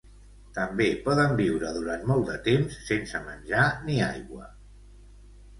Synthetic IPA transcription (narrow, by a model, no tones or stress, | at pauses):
t̪əmbepɔðəmbiwɾəðuɾant̪mɔlˠd̪ət̪emsːensəmənʲʒaniajɣwə̰